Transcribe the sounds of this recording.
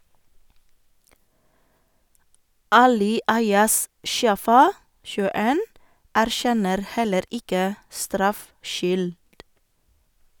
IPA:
ˈɑːlɪ ˈɑɪɑs ˈʃjɑːfɑ ʃʉːəˈeːn æɾˈʃɛnəɾ ˈhɛləɾ ˈɪkə ˈstɾɑfˌʃʏld

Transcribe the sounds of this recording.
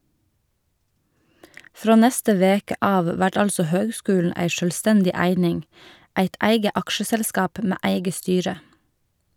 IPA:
ˈfɾoː ˈnɛstə ˈʋeːkə ˈɑːʋ ˈʋæʈ ˈɑlsɔ ˈhøːɡˌskʉːln̩ ˈæɪ ʃœlˈstɛndɪ ˈæɪnɪŋ ˈæɪt ˈæɪɡə ˈɑkʃəsɛlˌskɑːp ˈmeː ˈæɪɡə ˈstyːɹə

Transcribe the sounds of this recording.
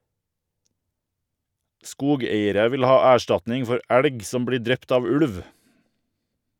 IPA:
ˈskuːˌɡeɪəɾə ˈʋɪl ˈhɑː ˈæːˌʃʈɑtnɪŋ ˈfɔɾ ˈæɽɡ ˈsɔm ˈbɽiː ˈdɾɛpt ˈɑːʋ ˈʉɽʋ

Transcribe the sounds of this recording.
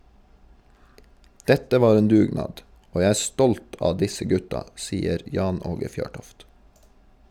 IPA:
ˈdɛtə ˈʋɑːɾ ˈeːn ˈdʉːˌɡnɑːd ˈoː ˈjæɪ ˈæː ˈstɔlt ˈɑː ˈdɪsə ˈɡʉtɑ ˈsiːəɾ ˈjɑːn ˈoːɡə ˈfjøːʈɔft

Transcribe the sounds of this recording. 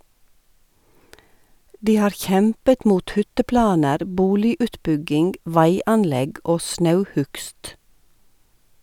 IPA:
ˈdiː ˈhɑːɾ ˈçɛmpət ˈmuːt ˈhʏtəˌplɑːnəɾ ˈbuːlɪʉːtˌbʉɡɪŋɡ ˈʋæɪɑnˌlɛɡ ˈʔoː ˈsnɑʉˌhʉkst

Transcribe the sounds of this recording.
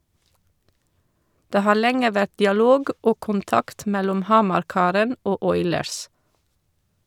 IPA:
ˈdeː ˈhɑːɾ ˈlɛŋə ˈʋæt dɪɑˈloːɡ ˈʔoː kʊnˈtɑkt ˈmɛlɔm ˈhɑmɑɾˌkɑːɾən ˈoː ˈʔɔʏləɹs

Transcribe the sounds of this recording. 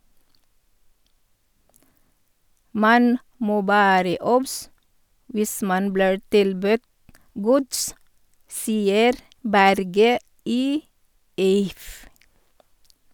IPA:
ˈmɑn ˈmoː ˈʋæːɾə ˈɔbs ˈʋɪs ˈmɑn ˈbliːɹ ˈtɪlbʉt ˈɡʊds ˈsiːəɾ ˈbæɾɡə ˈiː ˈɪf

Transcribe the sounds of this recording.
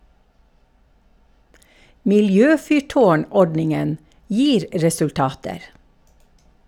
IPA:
mɪlˈjøːfʏˌʈoːˌɳɔɖnɪŋən ˈjiːɾ ɾɛsʉlˈtɑːtəɾ

